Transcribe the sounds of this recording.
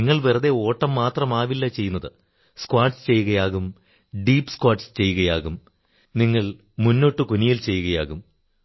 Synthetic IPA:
iŋːɐɭʋirɐðe̞o̞ːʈːɐmːaːt̪rɐmaːʋilːɐt͡ɕe̞jːunːɐðɨ | skwaːʈst͡ɕe̞jːuɣɐjaːɣum | ɖiːpːskwaːʈst͡ɕe̞jːuɣɐjaːɣum | niŋːɐɭ | munːo̞ːʈːɨkunijilt͡ɕe̞jːuɣɐja̰ːɣum

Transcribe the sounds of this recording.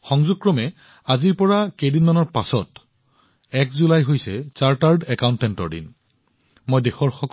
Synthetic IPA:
xɔŋzuk̚kːɹɔmɛ | aziɹpɔɹakejdinmanɔɹpasɔt | ɛkzulajɦojsɛt͡ʃaɹtaɹdɛkawntɛntɔ̰ɹdḭn | mojdexɔɹxɔk

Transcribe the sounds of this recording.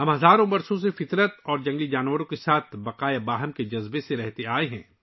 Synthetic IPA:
ɦɐ̃mɦɐzaːɾõbɐɾsõs̬efɪt̪ɾət̪ɔːɾd͡ʒɐ̃ŋɡid͡ʒaːnwəɾõkesaːt̪ʰbɐqaːjabaːɦəmked͡ʒɐzbeseɾɛɦt̪eaːeɦɛ̰̃ː

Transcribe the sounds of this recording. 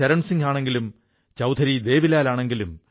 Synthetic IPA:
ɐɾɐmsiŋɡaːɳe̞ŋɡilum | t͡ɕɐwd̪ʰʱɐɾid̪e̞ːʋilaːlaːɳe̞ŋɡilum

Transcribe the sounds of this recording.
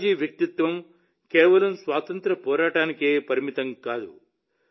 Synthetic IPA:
d͡ʒiːʋjɐk̚t̪it̪ʋɐm | kɛːʋɐlɐmsʋaːt̪ɐnt̪ɾɐpɔːɾaːʈaːnikeːpɐɾimit̪ɐŋkaːd̪u

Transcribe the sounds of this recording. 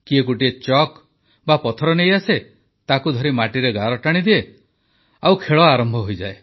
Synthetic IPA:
kiek̬uʈiet͡ʃɔk | bapɔt̪ʰɔɾɔnejase | t̪akud̪ʱɔɾimaʈiɾeɡaɾɔʈaɽ̃id̪ie | awkʰeɭɔaɾɔmbʱɔɦojd͡ʒae

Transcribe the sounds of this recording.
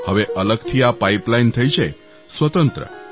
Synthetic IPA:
həʋeʔələɡt̪ʰiːapaiplaint̪ʰəjt͡ɕʰe | sʋət̪ənt̪ɾə̰

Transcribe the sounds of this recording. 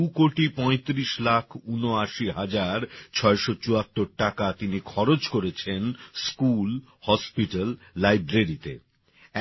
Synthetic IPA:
ukoʈipɔ̃et̪ɾiʃlakʰunoaʃiɦad͡ʑaɾt͡ɕʰɔeʃot͡ɕuat̪ːoɾʈakat̪inikʰɔɾod͡ʑkoɾet͡ɕʰenskul | hɔspiʈalː | ajbɾeɾit̪ḛ

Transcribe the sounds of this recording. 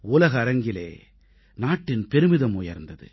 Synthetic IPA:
uːlɐɣɐːɾɐŋɡɪlḛː | naːʈːɪnpɛɾɯmɪðɐmuːjɐ̰ɾnd̪ɐðɯ̰

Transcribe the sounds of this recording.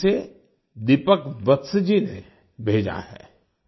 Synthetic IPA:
se | d̪ipəkbət̪sd͡ʒine | bʱeːd͡ʒa̰ɦɛ̰ː

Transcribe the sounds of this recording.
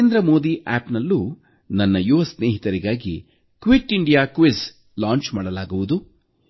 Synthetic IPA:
end̪ɾɐmo̞ːd̪iʔaːpnɐlːu | nɐnːɐjuʋɐsneːɦit̪ɐɾiɡaːɡḭ | kʋiʈiɳɖijaːkʋis | laːɲt͡ʃmaːɽɐlaːɡuʋud̪u

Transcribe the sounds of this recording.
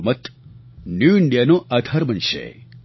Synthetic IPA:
mət̪ | njuɪɳɖijanõʔɐd̪ʱɐɾmənʃḛ

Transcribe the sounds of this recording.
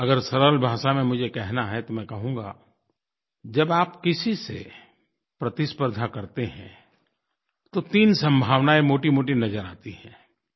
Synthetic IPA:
ɐɡəɾsɐɾəlbʱaːʃamẽmʊd͡ʒʱekɛɦnaɦɛt̪omɛ̃kɐɦũːɡa̰ | d͡ʒɐbaːpkɪsisḛ | pɾɐt̪ɪspəɾd̪ʱakɐɾt̪eɦɛ̰̃ | t̪ot̪iːnsɐ̃mbʱaːʋnaemoːʈimoːʈinɐzəɾa̰ːt̪iɦɛ̰̃ː

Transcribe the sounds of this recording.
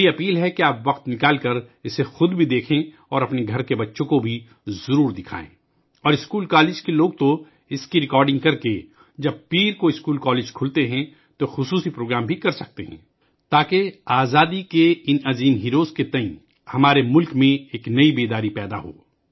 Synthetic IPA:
iɐpiːlɦɛkeaːpʋɐqt̪nɪkaːlkɐɾɪsexʊd̪bʱid̪eːkʰẽ | ɔːɾɐpneɡʱɐɾkebɐtːʃõkobʱi | zɐɾuːɾd̪ɪkʰa̰ːḛ̃ː | ɔːɾɪskuːlkaːlɪːd͡ʒkeloːɡ̚t̪o | ɪskiɾɪkɔːɾɖɪ̃ŋɡkɐɾke | d͡ʒɐb̚piːɾkoɪskuːlkɔːleːd͡ʒkʰʊlt̪eɦɛ̃ | t̪oxʊsuːsipɾoːɡɾaːmbʱikɐɾsɐk̚t̪eɦɛ̰̃ː | t̪aːkeaːzaːd̪ikeɪnɐziːnɦiːɾoːzket̪ɐ̃ĩ | hɐmaːɾemʊlkmẽeːknɐibeːd̪aːɾipɛːd̪aɦo̰ː

